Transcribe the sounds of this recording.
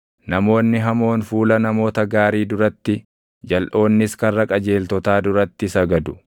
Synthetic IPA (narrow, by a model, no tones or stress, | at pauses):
nɐmo̞ːnːɪɦɐmo̞ːnfuːlɐnɐmo̞ːt̪ɐɡaːɾiːd̪ʊɾɐt̪ːɪ | d͡ʒɐlʔo̞ːnːɪskɐrːɐkʼɐd͡ʒe̞ːlt̪ɔt̪aːd̪ʊɾɐt̪ːɪsɐɡɐd̪ʊ̥